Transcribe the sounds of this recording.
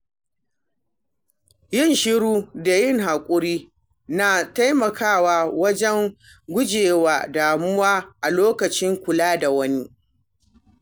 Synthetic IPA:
jɪ˦nʃɪ˦ɽuː˦da˨jɪ˦ŋɦa˨kʷʼʊ˦ɾiː˦ | na˨ta˦jmɐ˨kaː˦˨waː˦˨wɐ˦d͡ʒɛ˦ŋ | ɡʷʊ˦d͡ʒeː˨waː˨daː˨mʊ˦waː˦ʔa˨loː˦kɐ˨t͡ʃɪ˦ŋkʷʊ˨laː˦da˨wɐ˦ni˦

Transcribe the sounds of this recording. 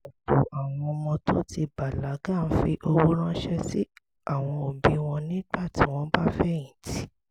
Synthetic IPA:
o˨po˨ʔa˨w̃ɔ̃˧mɔ̃˧tʰo˦ti˧ba˨la˨˦ɡa˦˨n̩˦fi˧ʔo˧wo˦ɾã˦ʃɛ˦si˦ | a˦˨w̃ɔ̃˧o˨bĩ˨˦w̃ɔ̃˧nĩ˦ɡ͡ba˦˨ti˨˦w̃ɔ̃˧˦ba˦fɛ˦ĩ˨ti˨˦

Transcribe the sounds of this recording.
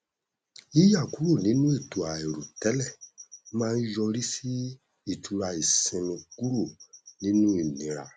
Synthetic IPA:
i˦ja˦˨ku˨˦ɾo˦˨nĩ˨˦nũ˦i˦˨tu˨a˨ɛ˨ɾu˨tɛ˨˦lɛ˦˨mãː˦˧n̩˦jɔ˧ɾi˦si˦ | i˦˨tu˨ɾa˧i˨sĩ˧nĩ˧ku˦ɾo˦˨nĩ˦nũ˦i˦˨nĩ˨ɾa̰˨

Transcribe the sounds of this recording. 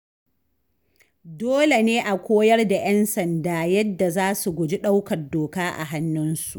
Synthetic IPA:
doː˦le˨neː˦ʔa˨kʷoː˦jɐ˦rda˨jɛ˦nsɐ˨ndaː˨jɐ˦dːa˨zaː˦su˨ɡʷʊ˨d͡ʒi˦ɗa˦wkɐ˨rdoː˨kaː˦ʔa̰˨ɦa˦nːʊ˦nsu˨ʔ

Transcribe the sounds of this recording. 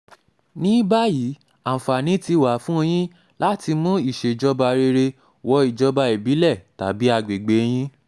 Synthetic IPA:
nĩ˨˦ba˦ji˨˦ | ã˨fa˨nĩ˨˦ti˧˨wa˨˦fũ˦o˧j̃ĩ˦ | la˦ti˧mũ˦i˦˨ʃe˨d͡ʒɔ˧ba˧ɾe˧ɾe˧ | wɔ˧˦i˨d͡ʒɔ˧ba˧e˨bi˨˦lɛ˦˨ta˨˦bi˦a˧ɡ͡be˨ɡ͡be˨˦˧j̃ĩ˦

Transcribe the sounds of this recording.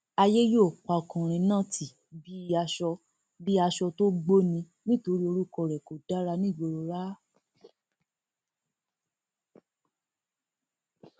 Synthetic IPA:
a˧je˦jo˦˨k͡pa˧˨kũ˨ɾ̃ĩ˧nã˦˨tʰi˨ | bi˦˧˦a˧ʃɔ˧ | bi˦a˧ʃɔ˧to˦ɡ͡bo˦nĩ˧ | nĩ˦to˧ɾi˦o˧ɾu˦˨kɔ˧˨ɾɛ˨ko˨da˦ɾa˧nĩ˦˨ɡ͡bo˧ɾo˧ɾa˦

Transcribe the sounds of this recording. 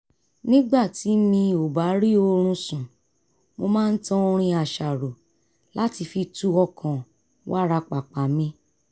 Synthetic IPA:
nĩ˦ɡ͡ba˦˨ti˨˦mĩ˧o˨ba˨˦ɾi˦o˧ɾ̃ũ˧sũ˨ | mo˧mãː˦˧n̩˦tã˧o˧ɾ̃ĩ˧a˨ʃa˨ɾo˨ | la˦ti˧fi˧tu˧ɔ˧kʰã˨ | wa˦ɾa˧k͡pa˨k͡pa˨mĩ˧

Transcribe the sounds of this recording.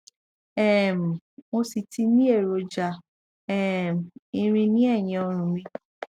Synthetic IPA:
ɛ˦˨m̩˨mo˧si˨ti˧nĩ˦e˦˨ɾo˨˧d͡ʒa˧˨ | ɛ˦˨m̩˨ĩ˧ɾ̃ĩ˧nĩ˦ɛ˦˨j̃ĩ˧o˧ɾ̃ũ˨mĩ˧

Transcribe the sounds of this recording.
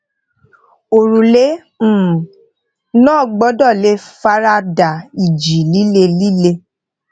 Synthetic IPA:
o˨ɾũ˨lẽ˨˦˨ | nɔ̃ː˦˨ɡ͡bɔ˨˦dɔ˦˨le˨˦fa˦ɾa˦da˨i˨d͡ʒi˨li˦le˧li˦le˧

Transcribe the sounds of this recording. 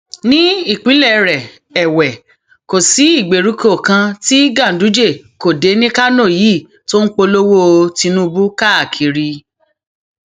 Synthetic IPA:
nĩ˦i˦˨k͡pĩ˨˦lɛ˦˨ɾɛ˨ | ɛ˨wɛ˨ | ko˨si˨˦i˦˨ɡ͡be˨ɾu˨˦ko˦˨kã˧ti˦ɡã˦˨n̩˨du˨˦d͡ʒe˦˨ | ko˨de˨˦nĩ˦ka˦nõ˦˨ji˨˦˨ | to˦n̩˦k͡po˧lo˦wo˦˧ti˧nũ˦˧bu˦ka˦a˨kʰi˨˧ɾi˧

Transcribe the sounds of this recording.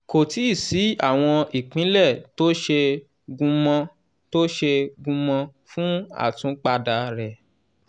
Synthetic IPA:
ko˨ti˦i˦˨si˨˦a̰˦˨w̃ɔ̃˧i˨k͡pĩ˨˦lɛ˦˨to˦ʃe˧ | ɡũ˧mɔ̃˧ | to˦ʃe˧ɡũ˧mɔ̃˧fũ˦a̰˦˨tũ˨˦k͡pa˧da˧ɾɛ˨

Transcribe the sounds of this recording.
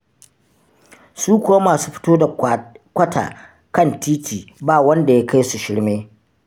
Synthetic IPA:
suː˦kʷʊ˨wa˦maː˨su˦ɸɪ̥˦toː˦da˨kʷɐ˦ta̰ː˨ | kɐ˦ntiː˦tiː˨baː˦˨wɐ˦nda˨ja˦ka˦jsu˨ʃɪ˦ɽmeː˦

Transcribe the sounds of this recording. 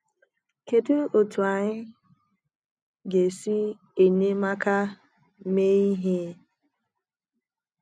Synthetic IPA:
ke˨tu˦o˨tu˨a˨ɲɪ˦ | ɡe˨si˦ | e˨ɲe˦ma˦ka˦ | me˦i˦ɦe˦

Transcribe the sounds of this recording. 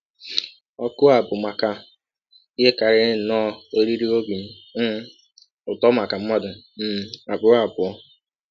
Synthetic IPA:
ɔ˦kʊ˦a˨bʊ˨ma˨ka˨˦ | e˦ka˨ɾɪ˦˨nɔ˦o˦ɾi˦ɾi˦o˦ɡi˨n̩˦ | m̩˦ | ʊ˨tɔ˦ma˨ka˨m̩˦mɔ˦dʊ˨ | m̩˨a˨bʊ˨ɾa˨bʊ˨ɔ˦

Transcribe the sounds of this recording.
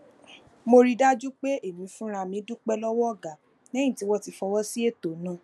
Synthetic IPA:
mo˧ɾi˧da˦d͡ʒu˦k͡pe˦ʔe˦˨mĩ˨˦fũ˦ɾa˧mĩ˨˦du˦k͡pɛ˦lɔ˦wɔ˦ɔ˦˨ɡa˨ | nɛ̃˦ĩ˦˨ti˦wɔ˦ti˧fɔ˧wɔ˦si˦e˦˨to˨˦nã˦˨˦

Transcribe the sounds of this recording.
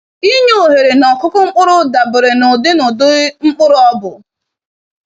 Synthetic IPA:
i˦ɲe˦o˨ɦe˨ɾe˨nɔ˨kʊ˦kʊ˦ŋ͡m̩˦k͡pʊ˦ɾʊ˦da˨bʊ˨ɾɪ˨nʊ˨dɪ˦nʊ˨dʊ˦ŋ͡m̩˦k͡pʊ˦ɾʊ˦ɔ˦bʊ˨

